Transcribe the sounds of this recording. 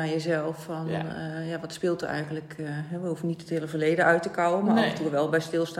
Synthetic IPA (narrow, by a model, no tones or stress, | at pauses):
ajəzɛlˠfɔnjaʋɔtspɪlˠtyɛ̰jɣən̩tləkɦɛʋəɦufənitəthɪləvərleːdəœɥtəkɔwəmatuəʋɛlˠbɛjstɪlˠsta